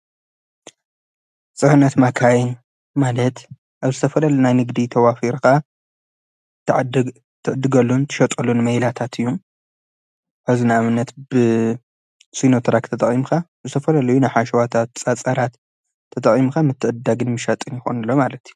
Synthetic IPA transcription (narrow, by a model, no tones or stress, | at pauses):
t͡sʼɨħɨnːɐt̪makʰajin | malɐt̪ | ʔaβzɨt̪ʰɐfɐlɐlunajnɨɡd̪it̪ʰɐwafiɾka | t̪ʰʕ | t̪ʰɨʕɨd̪ɨɡɐlːunt̪ʰɨ̥ʃɐt̪ʼɐlunmɐjlat̪ʰat̪ɨjːum | ʔaβzinamɨnːɐt̪b̥ɨ | sinot̪ʰɐɾakt̪ʰɐt̪ʼɐχʼimxʰa | zɨt̪ʰɐfɐlɐlɐjunajħaʃɐwat̪ʰat̪t͡sʼat͡sʼɐɾat̪ʰː | ɐt̪ʼɐχʼimkamɨt̪ːɨʕɨd̪aɡɨnmɨʃɐt̪ʼɨnjɪxo̰nɨlːo̞malɐt̪ju̥